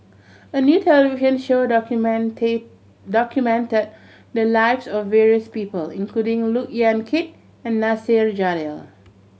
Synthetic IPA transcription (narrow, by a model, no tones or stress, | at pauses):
ənjutʰɛlɛiviʃə̃nʃo | dɔkjumɛ̃ntəd̚ | dəlaɪvsɔfvɛɹiəspiːpəlĩnkʰludɪ̃ŋlukiãnkʰit̚ | ɛ̃nːasiɹd͡ʒadɛl